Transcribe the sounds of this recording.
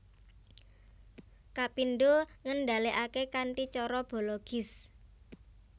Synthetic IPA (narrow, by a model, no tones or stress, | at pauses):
kapinɖoŋənɖa̤leʔakekanʈit͡ʃɔɾɔb̥o̤lɔɡ̥ɪ̤s